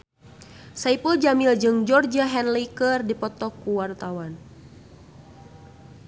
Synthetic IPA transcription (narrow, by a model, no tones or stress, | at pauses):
saipuld͡ʒamild͡ʒɨŋd͡ʒɔrd͡ʒaɦɛnlikərdipɔt̪ɔkːuwart̪awan